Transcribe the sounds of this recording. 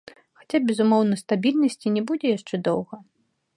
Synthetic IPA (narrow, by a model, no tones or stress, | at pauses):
xḁt͡sʲabʲɛzumɔwnɐst̪abʲilʲnɐsʲt͡sʲinʲɛbud͡zʲɛjaʂt͡ʂɛd̪ɔwɣɐ